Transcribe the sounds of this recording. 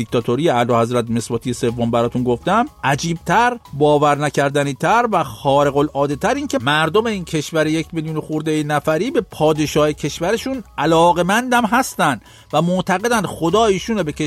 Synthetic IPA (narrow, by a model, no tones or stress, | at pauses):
ikt̪ʰɒt̪ʰoɾijeælɒhæzɾæt̪me̞sbɒːt̪ije̞se̞vːombæɾɒːt̪ʰunɡo̞ft̪æmʔæd͡ʒiːb̚t̪ʰæɾbɒːvæɾnæcʰæɾd̪æniːt̪ʰæɾvæxɒːɾe̞ɣo̞lɒːd̪et̪ʰæɾiːncʰemæɾd̪o̞me̞iːncʰe̞ʃvæɾejecʰmiljuːnoxuɾd̪ejenæfæɾiːbe̞pʰɒːd̪e̞ʃɒːhecʰe̞ʃvæɾe̞ʃunʔælɒːɣe̞mænd̪æmɦæst̪ænd̪ | væmoʔt̪ʰæɣe̞d̪ænd̪xo̞d̪ɒːiːʃuːnebeke